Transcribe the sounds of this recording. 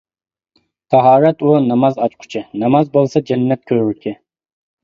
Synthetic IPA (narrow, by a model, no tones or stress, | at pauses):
t̪ʰɑɦɑːɾɛt̪unɑmɑzɑt͡ʃqʰʊ̥t͡ʃʰɪnɑmɑzbolˠsɑd͡ʒɛnːɛt̪̚kʲʰøɾykʲʰɪ